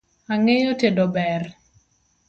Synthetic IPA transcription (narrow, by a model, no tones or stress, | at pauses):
aŋejotedobɛr